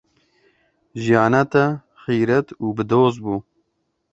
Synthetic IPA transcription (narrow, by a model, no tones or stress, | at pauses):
ʒijɑːnɛt̪ɛ | xiːɾɛt̪uːbɨd̪oːzbuː